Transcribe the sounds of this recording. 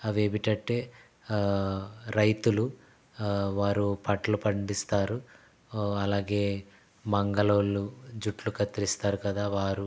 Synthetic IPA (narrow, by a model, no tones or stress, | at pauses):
ɐʋeːbiʈɐʈːeː | ɾɐjt̪ulu | ʋaːɾupɐʈɐlupɐɳɖist̪aːɾu | ɐlaːɡe̞ː | mɐŋɡɐloːlːud͡ʒuʈlukɐt̪ɾist̪aːɾukɐd̪aːʋaːɾu